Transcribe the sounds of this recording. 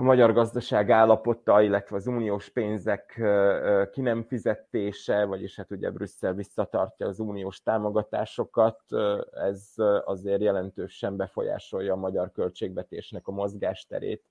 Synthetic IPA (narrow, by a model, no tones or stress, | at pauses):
ɒmɒɟɒrɡɒzd̪ɒʃaːɡaːlːɒpo̞t̪ːɒilːɛt̪ʋɛɒzuːnioːʃpeːnzɛk | kːinɛɱfizɛt̪eːʃɛvɒɟeːʃhat̪uɟɛ̰brysːɛlvisːɒt̪ɒ̰rcɒːzuːnioːʃt̪aːmo̞ɡɒt̪a̰ːʃo̞kɒt̪ɛzɒzeːrjɛlɛnt̪øːʃɛmbɛfo̞̰ja̰ːʃo̞jːɒːmɒɟɒrkø̞lt͡ʃeːɡʋɛt̪eːʃnɛkɒmo̞zɡaːʃt̪ɛ̰ɾḛːt̪